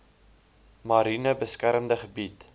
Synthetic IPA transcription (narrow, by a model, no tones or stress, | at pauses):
mɐɾinəbəskæɾəmdəχəbit